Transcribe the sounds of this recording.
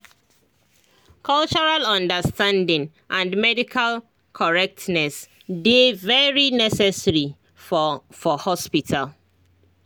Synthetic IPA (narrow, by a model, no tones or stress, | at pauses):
kʰɔlt͡ʃɔɹalɔ̃ndəstãndɪ̃ŋ | ʔãnmɛdikʰal | kʰɔɹɛk̚tnɛs | devɛɹinɛsɛsɹi | ffɔhɔspitʰal